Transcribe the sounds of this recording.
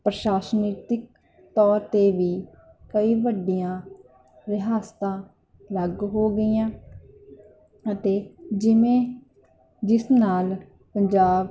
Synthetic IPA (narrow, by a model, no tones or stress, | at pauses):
pɾəʃaːsniːt̪ɪk̚ | t̪ɔːɾt̪eːʋiː | kəiːʋəɖːijãː | ɾɪɦaːst̪ãː | ləɡɦoːɡəiːãː | ət̪eːd͡ʒɪmẽː | d͡ʒɪsnaːl | pəɲd͡ʒaːb